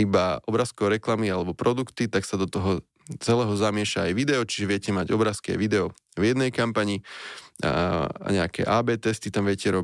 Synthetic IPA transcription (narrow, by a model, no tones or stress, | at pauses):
ibaɔbɾaskɔʊɾɛklamialɛbɔpɾɔd̪ukt̪it̪aksad̪ɔt̪ɔɦɔ | t͡sɛlɛːɦɔzamɪɛʃaːjʋid̪ɛɔt͡ʃi̥ʒɛʋɪɛcɛmaɟɔbɾaskia̰jʋid̪ɛɔ | vjɛd̪nɛjkampaɲi | a̰ɲɛakɛ̰ʔaːbɛːt̪ɛst̪it̪amʋɪɛcɛɾɔ